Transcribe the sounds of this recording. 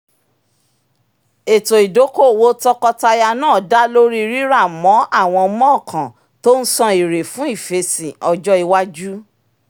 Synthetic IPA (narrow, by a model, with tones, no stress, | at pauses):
e˨to˨i˨do˨˦ko˦˨wo˦tɔ˦kɔ˧ta˧ja˧nãː˦˨da˦lo˦ɾi˦˧ɾi˦ɾa˦˨mɔ̃˨˦ʔa˦˨w̃ɔ̃˧mɔ̃˦˨kʰã˨ | to˦n̩˦sɔ̃˧i˨ɾe˨fũ˨˦i˦˨fe˧sĩ˨ɔ˧d͡ʒɔ˦i˧wa˦d͡ʒu˦